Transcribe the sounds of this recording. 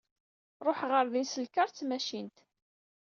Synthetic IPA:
ɾˤoħʁəɾðinsəlkəɾˤt͡sːmæʃint̪

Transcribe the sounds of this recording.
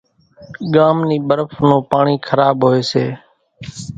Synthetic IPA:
ɠaːmniːɓəɾəfnõːpaːɳiːkʰəɾaːbɦoːeːsḛː

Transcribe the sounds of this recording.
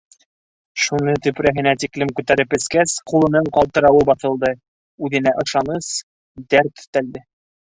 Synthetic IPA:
ʃunɤt̪ɵ̆pɾæɦɘ̆næt̪iklɘmkʉt̪æɾɘpɘ̆skæsqulˠɤ̆nɤɴqɒlˠt̪ɤ̆ɾɑwɤbɑθɤ̆lˠd̪ɤ | ʉðɘ̆næʔɤ̆ʃɑnɤs | d̪æɾt̪ɵ̥̆t̪ːæld̪ɘ

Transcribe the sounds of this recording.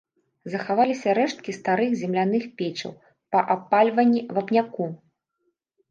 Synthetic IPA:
zɐxavalʲisʲɐɾɛʂt̪̚kʲist̪aɾɨxzʲɛmlʲanɨxpʲet͡ʃɐ̰w | pɐʔapːalʲvɐnʲːivɐpnʲaku

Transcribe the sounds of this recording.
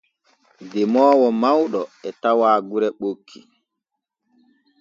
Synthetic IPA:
dɛmɔːwɔmawɗɔɛtawaːɡuɾɛɓokʰːi

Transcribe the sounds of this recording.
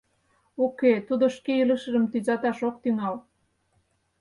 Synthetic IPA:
oket̪ud̪oʃkeiləʃəʒəmt̪yzɑt̪ɑʃok̚t̪yŋɑl

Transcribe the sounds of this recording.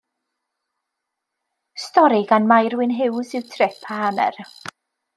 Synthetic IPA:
stɔɾiɡanmajɾwɪnɦɪwsɪwtʰrɪpʰahanɛ̰r

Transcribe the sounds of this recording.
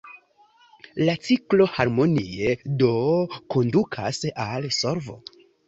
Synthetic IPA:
lat͡siklo̞haɾmo̞nie̞do̞ko̞ndukʰa̰salso̞ɾvo̞̰

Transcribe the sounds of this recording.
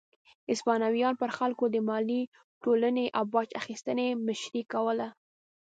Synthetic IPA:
ɪspɑnawijɑnpəɾxalkod̪əmɑli | ʈolaneʔawbɑt͡ʃaxist̪ənemɪʃɾikawəla

